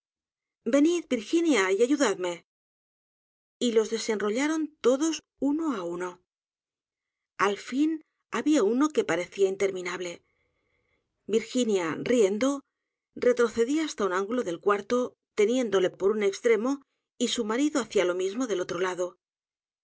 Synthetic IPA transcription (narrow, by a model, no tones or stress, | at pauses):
be̞niðbiɾxinjaiaʝuðaðme̞ | ilo̞zðe̞se̞nro̞ʎaɾo̞nt̪o̞ðo̞s | uno̞auno̞ | alfin | aβiauno̞ke̞paɾe̞θiaint̪e̞ɾmĩnaβle̞ | biɾxinjarije̞nd̪o̞ | rre̞t̪ɾo̞θe̞ðiaast̪aunãŋɡulo̞ðe̞lkwaɾt̪o̞ | t̪e̞nje̞nd̪o̞le̞po̞ɾune̞kst̪ɾe̞mo̞ | isumaɾiðo̞aθjalo̞mizmo̞ðe̞lo̞t̪ɾo̞laðo̞